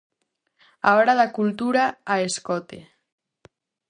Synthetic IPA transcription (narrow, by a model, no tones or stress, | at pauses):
aɔɾaðakult̪uɾaːeskɔt̪ḛ